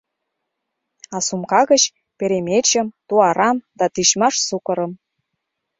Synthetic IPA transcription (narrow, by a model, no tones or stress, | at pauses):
ɑsumkɑɣə̆t͡ɕ | peɾemʲet͡ɕə̆mt̪uɑɾɑmd̪ɑt̪iɕmɑʃsukə̆ɾɤ̆m